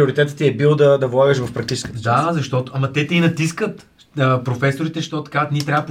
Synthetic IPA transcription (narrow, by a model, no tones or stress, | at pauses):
oʊɾit̪ɛt̪ə̥t̪iɛbilˠd̪ɐd̪ɐvlˠaɡəʃvɐfpɾɐkt̪it͡ʃɛ̥skəd̪azɐʃt̪ɔt̪oɐmɐt̪ɛt̪ɛinɐt̪iskət̪ | əpɾofɛsoɾit̪ɛʃt̪ɔt̪ɐkavət̪nit̪ɾʲavəp